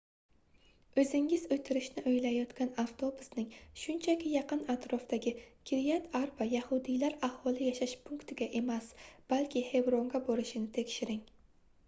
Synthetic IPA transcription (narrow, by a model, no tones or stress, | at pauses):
ɵzɪŋɪzɵjt̪ʰɪɾɪʃnɪʔɵjlajɒt̪kʲanaft̪ʰo̞bʊsnɪŋʃʊnt͡ʃʰakʲɪjɑqɨnat̪ɾɒft̪aɡʲɪkʲʰɪɾijat̪ʰaɾbajahʊd̪ijlaɾahɒlˠɪjaʃaʃpʰʊŋkt̪ʰɪɡʲaʔe̞masb̥alkʲʰɪhe̞bɾoŋɡaboɾɪʃɪnɪt̪ʰe̞kʲʃɪɾɪŋ